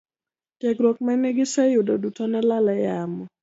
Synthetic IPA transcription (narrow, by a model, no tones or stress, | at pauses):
tjekɾwok̚manɛɡɪsɛjʊdodutɔnɛlalɛjamɔ